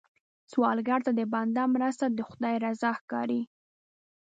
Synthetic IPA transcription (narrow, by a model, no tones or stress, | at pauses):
swɑlɡaɾt̪ad̪əband̪amɾast̪ad̪əxʊd̪ɑjɾazɑxkɑ̰ɾi